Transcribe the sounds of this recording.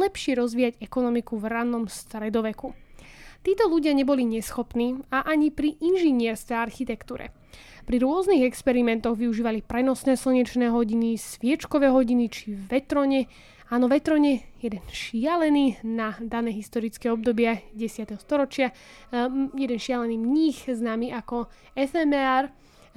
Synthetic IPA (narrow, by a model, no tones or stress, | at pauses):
lɛpʃɪɛɾɔzʋiːaɟɛkɔnɔmikuvɾanɔmst̪ɾɛd̪ɔʋɛkut̪iːt̪ɔluɟɪaɲɛbɔliɲɛsxɔpniːaʔaɲipɾiʔinʒiɲɪɛɾskɛaɾxit̪ɛkt̪uːɾɛ̰ | pɾiɾʊɔzniɣɛkspɛɾimɛnt̪ɔɣʋiuʒiːʋalipɾɛnɔsnɛːsl̩ɲɛt͡ʃnɛːɦɔɟinisʋɪɛt͡ʃkɔʋɛːɦɔɟinit͡ʃiʋɛt̪ɾɔɲɛ | aːnɔʋɛt̪ɾɔɲɛjɛd̪ɛnʃɪalɛniːnad̪anɛːɦist̪ɔɾit͡skɛɔb̚d̪ɔbɪaɟɛsɪat̪ɛɦɔst̪ɔɾɔt͡ʃɪa | jɛd̪ɛnʃɪalɛniːmɲixznaːmiʔakɔ | ɛfɛmɛaɾ